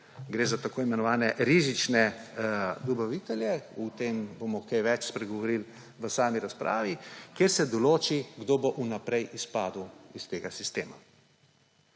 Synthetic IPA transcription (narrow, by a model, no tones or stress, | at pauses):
ɡɾeːzat̪akoːimɛnɔʋaːnɛʔɾizit͡ʃnɛ | d̪ɔbaʋiːt̪ɛljɛut̪embomɔkejʋɛt͡ʃspɾɛɡɔʋɔɾil | ʋəsaːmiɾaspɾʔa̰ːʋikeɾsɛd̪ɔloːt͡ʃiɡd̪oboʔunapɾɛjʔispaːd̪uist̪eːɡasist̪ḛːma̰